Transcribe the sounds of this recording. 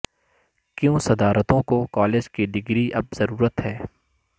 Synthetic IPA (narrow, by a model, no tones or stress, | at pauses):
kjõːsɐd̪aːɾət̪õkokɔːleːd͡ʒkiɖ̪ɪɡɾiʔɐbzɐɾuːɾət̪ɦɛː